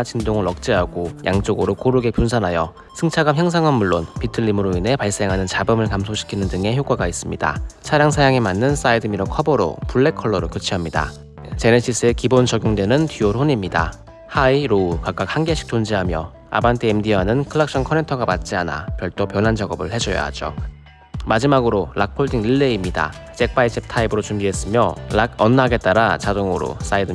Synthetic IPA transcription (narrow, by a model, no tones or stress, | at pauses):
t͡ɕindoŋɯɭʌk̚t͡ɕ͈iɦaɡoja̰ŋt͡ɕ͈oɡɯɾokoɾɯɡepunsʰanɦajʌ | sʰɯŋt͡ɕʰaɡamçjʌŋs̬ʰaŋɦanmuɭːonpitʰɯʎːimɯɾoinɦe̞paɭs͈e̞ŋɦanɯnt͡ɕabɯmɯɭkamsʰoɕʰi̥kʰinɯndɯŋe̞çjok͈waɡais͈ɯmɲida̰t͡ɕʰaɾjaŋsʰajaŋemanːɯns͈aidɯmiɾokʰʌbʌɾo̰puɭːe̞kʰʌɭːʌɾokjot͡ɕʰiɦamɲida̰ | t͡ɕe̞net͡ɕʰis͈ʰɯe̞kibont͡ɕʌɡjoŋdwe̞nɯntiosoɲimɲida̰ | haiɾoukak͈̚ak̚haŋɡeɕʰi̥k̚t͡ɕ͈ond͡ʑiɦamjʌ | a̰bantʰeemdiɦanɯnkʰɯɭːak̚ɕ͈ʰʌnkʰʌne̞ntʰʌɡapat̚t͡ɕ͈iana̰kjʌɭt͈opjʌnɦant͡ɕʌɡʌbɯɭhe̞d͡ʑʌja̰ɦa̰d͡ʑo̰ | mad͡ʑimaɡɯɾolak̚pʰoɭdʰiŋiɭːe̞imɲida̰ | t͡ɕ͈e̞k̚p͈ait͡ɕʰep̚tʰaibɯɾot͡ɕumbiɦe̞s͈ɯmjʌlaɡ̚ʌnːɦaɡe̞t͈̚aɾat͡ɕadoŋoɾo̰s͈aidɯ